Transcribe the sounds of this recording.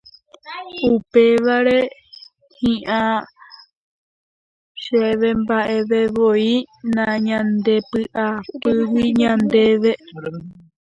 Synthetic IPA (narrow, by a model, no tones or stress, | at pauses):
upe̞ʋaɾe̞ | hĩʔã | ʃeʋe̞mbaʔe̞ʋe̞ʋoinãɲãnd̪e̞pɨʔapɨwiɲãnd̪e̞ʋe̞